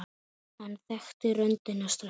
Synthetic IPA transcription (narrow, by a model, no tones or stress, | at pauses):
hanːθɛxt̪ʏrœnt̪ɪnːast̪ɾ